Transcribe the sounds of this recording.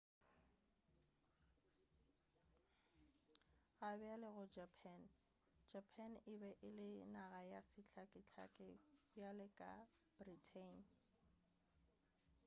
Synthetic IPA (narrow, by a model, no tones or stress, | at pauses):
ɣabɪalɪɣʊd͡ʒapʰɛn | d͡ʒapʰanɪbɛʔɪlɪnaɣajasɪt͡ɬʰakʼɪt͡ɬʰa̰kʼɪbjalɪkʼa̰ | b̥ritʰen